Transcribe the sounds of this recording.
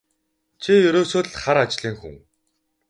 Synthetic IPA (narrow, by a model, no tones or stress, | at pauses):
t͡ɕʰijɵɾoːsoːɮχaɾat͡ɕɮiːŋxṵŋ